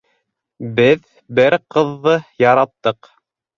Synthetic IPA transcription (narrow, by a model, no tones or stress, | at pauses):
bɘð | bɘɾqɤ̆ðːɤjɑɾɑt̪ːɤq